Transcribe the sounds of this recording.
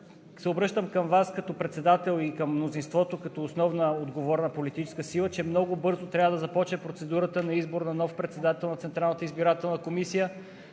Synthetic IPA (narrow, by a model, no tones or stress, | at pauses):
sɛobɾɤʃt̪əmkəmvaskɐt̪ɔpɾɛt̪sɛd̪at̪ɛlˠikəmːnozinst̪vɔt̪okɐt̪ɔːsnɔvnəod̪ɡovɔɾnəpolit̪it͡ʃɛ̥skəsilˠət͡ʃɛmnɔɡobɤɾzot̪ɾʲavəd̪ɐzɐpɔt͡ʃnɛpɾot̪sɛd̪uɾət̪ənɐizboɾnɐnɔfpɾɛt̪sɛd̪at̪ɛlˠnɐt̪sɛnt̪ɾalˠnət̪əizbiɾat̪ɛlˠnəkomisijə